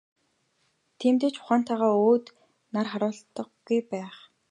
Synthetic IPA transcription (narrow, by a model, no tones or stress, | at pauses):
t̪ʰiːmt̪eːt͡ɕʰʊ̥χaːn̥t̪ʰaʁaːoːt̪ | narχaɾʊːɮt̪ɞ̆kɡujpæːχ